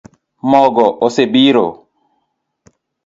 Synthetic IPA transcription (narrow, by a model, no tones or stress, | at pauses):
mɔɡɔʔosebiɾo̰